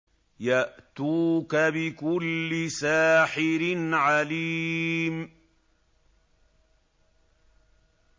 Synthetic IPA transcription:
jaʔt̪uːkabɪkʊlːɪsaːħɪɾɪnʕaliːm

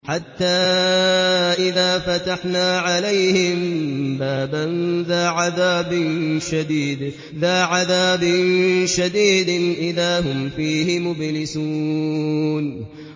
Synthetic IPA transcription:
ħat̪ːaː | ʔɪðaːfat̪aħnaːʕalajhɪmbaːbanðaːʕaðaːbɪnʃad̪iːd̪ | ðaːʕaðaːbɪnʃad̪iːd̪ʔɪðaːɦʊmfiːhɪmʊblɪsuː | n

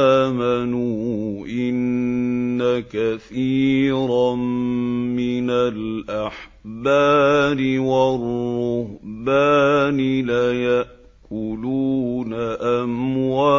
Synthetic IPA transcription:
manuːʔɪnː | akaθiːɾa | mɪnalʔaħbaːɾɪwarːʊhbaːnɪlajaʔ | kʊluːnaʔamwaː

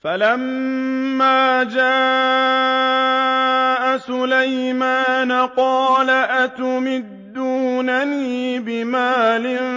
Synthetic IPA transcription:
falamː | aːd͡ʒaː | ʔasʊlajmaːnaqɑːlaʔat̪ʊmɪd̪ːuːnaniːbɪmaːlɪn

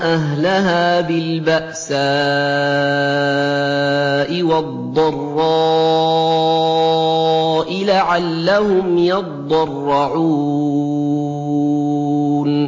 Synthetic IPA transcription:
ʔaɦlaɦaːbɪlbaʔsaː | ʔɪwɑd̪ˤːɑrˤːɑ | ʔɪlaʕalːahʊmjɑt̪̚ˤːɑrˤːɑʕuː | n

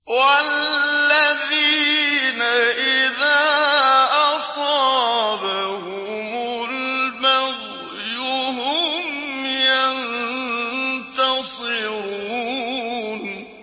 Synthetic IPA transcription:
wallːaðiːnaʔɪðaːʔɑsˤɑbahʊ | mʊlmaɣ | jʊɦʊmjan | t̪ɑsˤɨɾuː | n

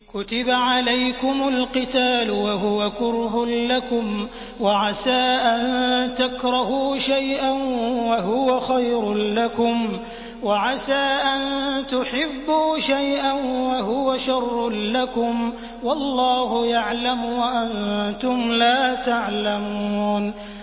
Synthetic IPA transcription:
kʊt̪ɪbaʕalajkʊmʊlqɨt̪aːlʊwaɦʊwakʊɾɦʊlakʊm | waʕasaːʔannt̪akɾˤɑhuːʃajʔanwaɦʊwaxajɾʊlakʊm | waʕasaːʔant̪ʊħɪbːuːʃajʔanwaɦʊwaʃɑrːlakʊm | wɑlˤːɑːhʊjaʕlamwaʔant̪ʊmlaːt̪aʕlamuːn

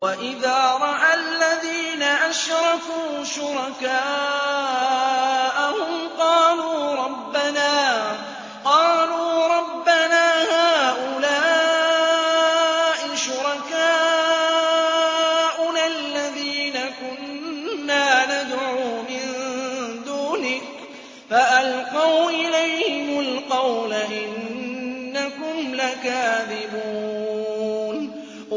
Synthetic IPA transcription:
waʔɪðaːɾˤɑʔalːaðiːnaʔaʃɾˤɑkuːʃʊɾɑkaː | ʔahʊmqɑːluːɾˤɑbːanaː | qɑːluːɾˤɑbːanaːhaːʔʊlaː | ʔɪʃʊɾˤɑkaː | ʔʊnalːaðiːnakʊnːaːnad̪ʕuːmɪnd̪uːnɪk | faʔalqɑwʔɪlajhɪmʊlqɑwlaʔɪnː | akʊmlakaːðɪbuː | n

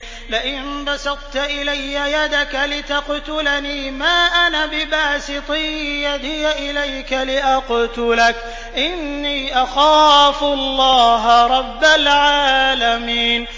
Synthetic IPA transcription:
lɪʔɪnbɑsɑd̪ˤt̪aʔɪlajːajad̪akalɪt̪aqt̪ʊlaniːmaːʔanabɪbaːsɨt̪ˤijad̪ɪjaʔɪlajkalɪʔaqt̪ʊlak | ʔɪnːiːʔaxaːfʊɑlːɑːɦaɾˤɑbːalʕaːlamiːn

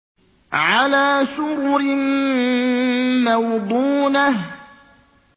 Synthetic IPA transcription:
ʕalaːsʊɾɾɪn | awd̪ˤuːnah

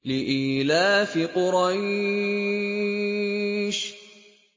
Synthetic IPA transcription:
lɪʔiːlaːfɪqʊɾɑj | ʃ

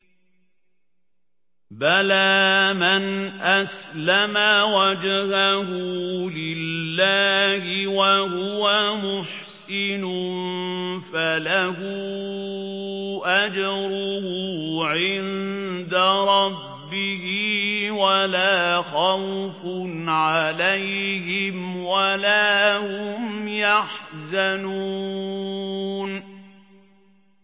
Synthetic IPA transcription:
balaːmanʔaslamawad͡ʒhahʊlɪlːaːhɪwahʊwamʊħsɪnʊ | falaɦʊ | ʔad͡ʒɑɾʊhʊʕɪnd̪aɾˤɑbːɪhɪwalaːxawfʊnʕalajɦɪmwalaːhʊmjaħzanu | n

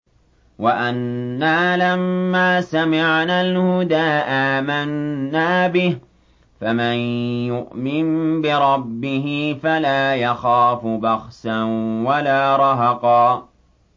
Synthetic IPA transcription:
waʔanːaːlamːaːsamɪʕnaːlhʊd̪aːʔaːmanːaːbɪh | famanjʊʔmɪnbɪɾˤɑbːɪhɪfalaːjaxaːfʊbɑxsanwalaːɾˤɑɦɑqɑː

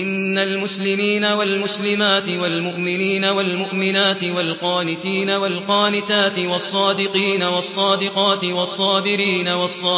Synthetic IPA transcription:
ʔɪnːalmʊslɪmiːnawalmʊslɪmaːt̪ɪwalmʊʔmɪniːnawalmʊʔmɪnaːt̪ɪwalqɑːnɪt̪iːnawalqɑːnɪt̪aːt̪ɪwɑsˤːɑːd̪ɪqiːnawɑsˤːɑːd̪ɪqɑːt̪ɪwɑsˤːɑːbɪɾiːnawɑsˤːɑː

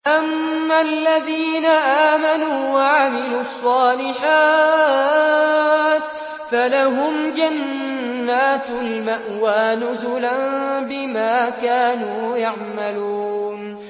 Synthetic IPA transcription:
ʔamːalːaðiːnaʔaːmanuːwaʕamɪluːɑsˤːɑːlɪħaː | t̪ | falaɦʊmd͡ʒanː | aːt̪lmaʔwaːnʊzʊlanbɪmaːkaːnuːjaʕmaluːn

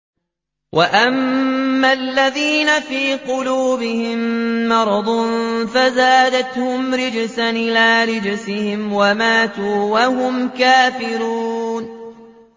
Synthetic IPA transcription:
wʔaʔamːalːaðiːnafiːqʊluːbɪhɪmːɑɾˤɑd̪ˤnfazaːd̪at̪hʊmɾɪd͡ʒsanʔɪlaːɾɪd͡ʒsɪhɪmwamaːt̪uːwahʊmkaːfɪɾuːn

